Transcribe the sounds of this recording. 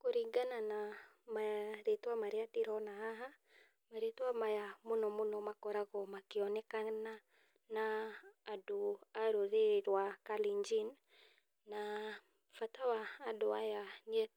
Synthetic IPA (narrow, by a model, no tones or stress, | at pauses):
koɾiŋɡananamaɾetwamaɾiatiɾɔnaɦaɦa | maɾetuamajamonɔmonɔmakɔɾaɣɔmakiɔnɛkana | naː | doaɾoðeɾwakaliɲd͡ʒin | na | fatawaːdɔajaniɛ